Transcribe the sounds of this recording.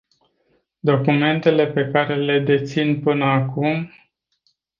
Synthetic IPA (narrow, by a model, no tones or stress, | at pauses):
d̪o̞kume̞nt̪e̞le̞pe̞kaɾe̞le̞d̪e̞t̪sinpɨnəakum